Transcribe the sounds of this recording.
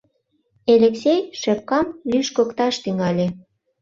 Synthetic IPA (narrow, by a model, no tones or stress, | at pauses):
eleksʲejʃep̚kɑmlyʃkokt̪ɑʃt̪yŋɑlʲe